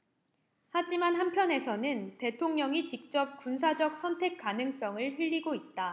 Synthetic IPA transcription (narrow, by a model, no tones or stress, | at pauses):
had͡ʑimanɦampʰjʌne̞sʰʌnɯnte̞tʰoŋɲʌŋit͡ɕik̚t͡ɕ͈ʌp̚kuns̬ʰad͡ʑʌk̚s͈ʰʌntʰe̞k̚k͈anɯŋs͈ʌŋɯɭɦɯʎːiɡoit̚t͈a